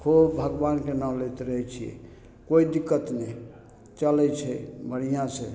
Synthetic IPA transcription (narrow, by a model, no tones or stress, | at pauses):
kʰubbʱəɡbankenaw̃let̪ɾəɦɛt͡ʃʰijɛ̰ | koid̪ikːət̪ne | t͡ʃəlɛt͡ʃʰɛbəɽ̤ijãsẽ